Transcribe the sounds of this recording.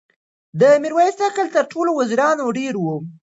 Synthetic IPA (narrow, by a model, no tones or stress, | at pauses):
d̪əmiɾwɑjist̪akəlt̪əɾʈʰolowaziɾɑnoɖeɾwu